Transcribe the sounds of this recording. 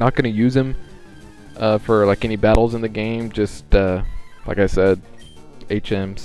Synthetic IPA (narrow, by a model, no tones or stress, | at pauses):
nət̚ɡ̥ʌñɨjʉzɨ̃ɱ | ʔʌfə˞laɪkɛnibæɾl̩ˠzə̃nðɨɡẽɪ̃md͡ʒʌstʌla̰ɪkaɪsɛd̚ | eɪt͡ʃɛ̃ms